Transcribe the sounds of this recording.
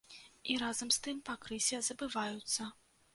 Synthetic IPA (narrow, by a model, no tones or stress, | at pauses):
iɾazɐmst̪ɨmpakɾɨsʲɐzɐbɨvajut̪sːɐ